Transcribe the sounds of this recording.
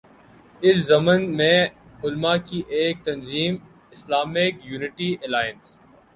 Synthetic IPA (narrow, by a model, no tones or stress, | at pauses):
ɪszɐmənmẽ | ʊlmakiʔeːk̚t̪ɐnziːm | ɪslaːmɪkjuːnɪʈiɛlaːjəns